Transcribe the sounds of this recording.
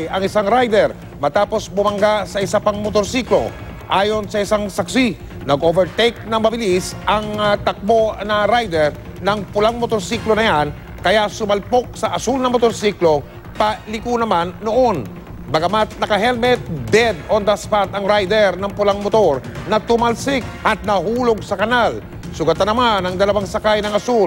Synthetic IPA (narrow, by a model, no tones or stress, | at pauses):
ʔɐŋɪsaŋɾajd̪ɛɾ | mɐt̪aːpo̞sbʊmɐŋɡasɐʔɪsapɐŋmot̪oɾsiklo̞̰ | ʔaːjo̞nsɐɪsaŋsɐksi | nɐɡʔovɛɹt̪ɛjk̚nɐŋmɐbɪlisʔɐŋt̪ɐk̚bo̞nɐɾajd̪ɛɹ | nɐŋpʊlaŋmot̪oɾsiklonɐjan | kɐjasʊmɐlpok̚sɐʔɐsulnɐŋmot̪oɾsiklo̞ | pɐlɪkunɐmanːoʔon | baɡɐmat̪̚nɐkɐɦɛlmɛt̪̚d̪ɛd̪ond̪aspat̪ɐŋɾajd̪ɛɾnɐŋpʊlaŋmot̪oɾnɐt̪ʊmalsɪk̚ɐt̪̚nɐɦuloɡ̚sɐkɐnal | sʊɡɐt̪anːɐmanɐŋd̪ɐlɐwaŋsɐkajnɐŋɐsul